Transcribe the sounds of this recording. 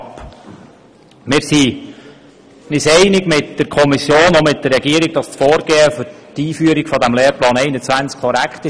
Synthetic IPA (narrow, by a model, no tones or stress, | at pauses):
p | mɪːɾsi | nɪsɛɪnɪɡmɪtd̥əɾkʰɔmisjoːnomɪt̚d̥̪ərːɛɡiəɾiɡ̚dɑstfoːɾɡ̥eːəfʏɾtiːfyəɾiɡ̥fɔdæmlɛːɾplɑːnɛɪnət͡sʋænt͡skʰɔɾækχt̪ɪ